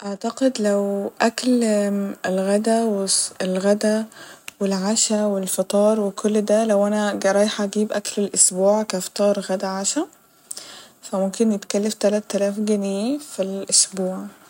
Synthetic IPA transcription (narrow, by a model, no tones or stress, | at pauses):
ʔɑʕt̪ɑqed̪læwʔækl | elɣæd̪æweelɣæd̪æwelʕaʃæwelfɑt̪ˤɑːɾˤwekʰolːd̪ælæwʔænæɡɑɾˤɑjħɑʔɡiːbʔæklelʔosbuːʕkæft̪ɑːɾˤɣæd̪æʕaʃæ | fæmomkenjet̪kælːeft̪ælæt̪ːælæːfɡænːfilʔosbuːʕ